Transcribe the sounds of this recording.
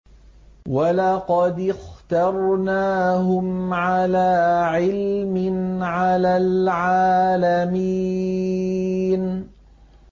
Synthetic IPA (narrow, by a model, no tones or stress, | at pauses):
walɑqɑd̪ɪxt̪ɑɾˤnaːɦʊmʕalaːʕɪlmɪnʕalaːlʕaːlami | n